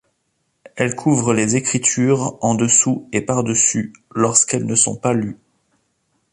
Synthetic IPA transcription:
ɛlkʰuvʁəlezekχit̪ʰyʁɑ̃d̪əsuepaʁd̪əsylɔʁskɛlnəsɔ̰̃paly

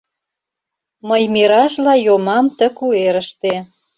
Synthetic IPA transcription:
məjmiɾɑʃlɑjomɑmt̪ə̆kueɾəʃt̪e

